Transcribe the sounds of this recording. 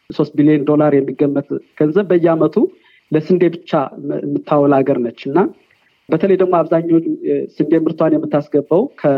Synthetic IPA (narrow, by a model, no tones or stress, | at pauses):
so̞st̪bilijend̪o̞laɾjɛmːiɡːəmːət̪ɡ̥ənzəβbəɨjːamət̪ʰu | ləsɨnd̪e̞bɨt͡ʃːamːɨt̪ʰːawɔlaɡəɾnət͡ʃːɨnːa | bət̪ʰələjd̪əɡmoaβzaɲːot͡ʃːsɨnd̪e̞mɨɾt̪ʰwanjɛmːɨt̪ːasɡəbːəwkʰə